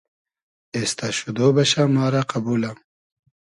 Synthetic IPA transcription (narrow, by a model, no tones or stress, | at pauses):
est̪aɕud̪oːbɐɕamaːɾaqɐbuːlam